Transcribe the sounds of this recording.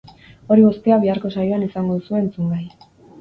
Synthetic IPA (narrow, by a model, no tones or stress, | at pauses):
o̞ɾiβost̪eaβiaɾko̞sajoanisaŋɡoðusue̞ːnt͡suŋɡaj